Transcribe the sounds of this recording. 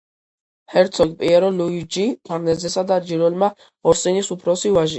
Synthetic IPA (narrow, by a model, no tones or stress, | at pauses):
hɛɾt̪sʰɔɡpʼiɛɾɔluid͡ʒipʰaɾnɛzɛsad̪aɾd͡ʒiɾɛlma | ɔɾsinisupʰɾɔsivaʒi